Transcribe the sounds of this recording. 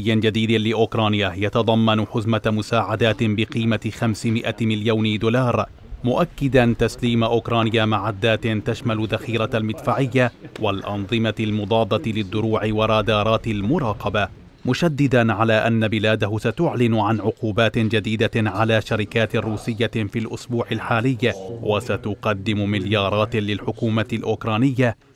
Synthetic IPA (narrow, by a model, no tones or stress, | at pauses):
jːɪnd͡ʒad̪iːd̪ɪlɪʔʊkɾˤɑːnɪjahjat̪ɑd̪ˤɑmːɑnʊħʊzmamʊsaːʕad̪aːt̪ɪbɪqiːmaxamsɪmɪʔamɪljaːnɪd̪uːlɑːɾˤ | mʊʔakːɪd̪ant̪asliːmaʔʊkɾˤɑːnɪjamaʕad̪ːaːt̪ɪnt̪aʃmalʊðaxiːɾɑlmɪd̪faːʕɪjːawalʔɑ̰nðˤɨmaɪlmʊd̪ˤɑːb̪ɑt̪ɪlɪd̪ˤːʊɾuːʕɪwɑɾˤɑːd̪ɑːɾˤɑːt̪ɪlmʊɾˤɑːqɑba | mʊʃad̪ːɪd̪anʕalaːʔanːabɪlaːd̪aɦʊsat̪ʊʕlɪnʕanʕʊquːbaːt̪nd͡ʒad̪iːd̪aʕalaːʃaɾɪkaːt̪rːuːsɪjːafiːlʔʊsbuːʕɪlħaːlɪjːwʔasat̪ʊqɑd̪ːɪmʊmɪljɑːɾˤɑːt̪lɪlħʊkuːmaɪlʔʊːkɾˤɑːnɪjːa